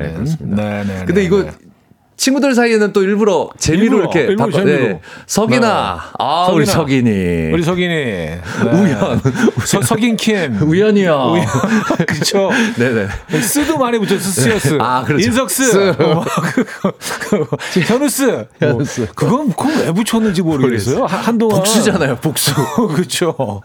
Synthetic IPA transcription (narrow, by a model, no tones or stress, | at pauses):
ḛsmienekɯnnde̞iɡʌ | t͡ɕʰinɡudɯɭs̬ʰaienɯnt͈oiɭbuɾʌt͡ɕe̞miɾoiɾʌkʰe̞aeesʰʌɡinaaisʰʌɡiɲiuɾisʰʌɡiɲi | ujʌnssʰʌɡinkʰinujʌɲijʌjkɯt͡ɕʰone̞ne̞s͈ɯdumaɾebut͡ɕʰos̬ʰɯsʰiʌs͈ɯakɯɾʌins̬ʰʌk̚s͈ɯɯk | kipʰjʌnus͈ɯʌnus͈ɯkɯɡʌnkʰɯmwebut͡ɕʰʌnːɯnd͡ʑimʌɾɯes͈ʌjoandoŋpaoks͈ud͡ʑanajopok̚s͈ukɯt͡ɕʰo